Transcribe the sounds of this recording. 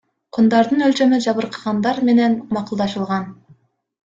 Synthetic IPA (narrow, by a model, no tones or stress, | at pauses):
qʰund̪ɑɾd̪ɯnølt͡ʃø̞myd͡ʒɑβɯɾqʰɑ̥ʁɑnd̪ɑɾme̞ne̞nmɑqulˠd̪ɑʃɯlˠʁɑn